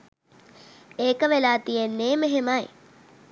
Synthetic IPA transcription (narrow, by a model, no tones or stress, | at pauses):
eːkəʋelaːt̪ijenːeːmeɦemaj